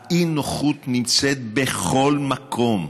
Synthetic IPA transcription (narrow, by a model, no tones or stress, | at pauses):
inoχut̪nimt͡set̪̚beχo̞lmakʰo̞m